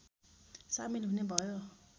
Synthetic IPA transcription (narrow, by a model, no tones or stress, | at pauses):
sa̰milɦunebɔjɔ